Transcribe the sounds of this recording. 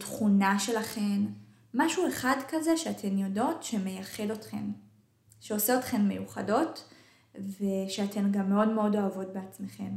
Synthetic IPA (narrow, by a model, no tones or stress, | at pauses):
tχunaʃe̞laχe̞n | maʃue̞χadkaze̞ʃeatʰe̞njo̞do̞tʃe̞me̞jaχe̞dotχḛn | ʃeoseotχe̞nme̞̰juχado̞t | veʃeatʰe̞nɡamːe̞o̞dme̞o̞do̞avo̞t̚be̞at͡sme̞χe̞m